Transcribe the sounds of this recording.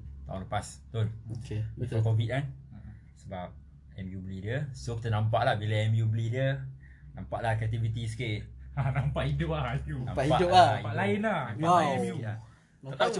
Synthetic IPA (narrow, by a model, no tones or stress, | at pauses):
t̪a̰ũŋləpast̪onokəakovit̪̚kan | səbap̚ | ɛmjublidiəsokit̪̬ənãmp̬aʔlahbiləɛmjublidiə | nampaʔlahkat̪ivit̪iskiʔanampaʔidʊp̚lahit̪unã̰maiaʔdʊaapaʔlaɪnahaɛmjua | əa